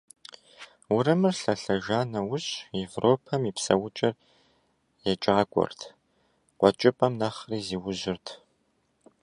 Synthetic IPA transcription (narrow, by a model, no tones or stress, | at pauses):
wʊrɨmɨrɬɐɬɐʒaːnɐwʊɕevrʔoːpʰɐmipsɐ̰wʊt͡ʃʼɐr | jɛt͡ʃʼakʷʼɔ̰rtʰ | qʷɔt͡ʃʼɪpʼɐmnaːχriːziːwʊʑɪrtʰ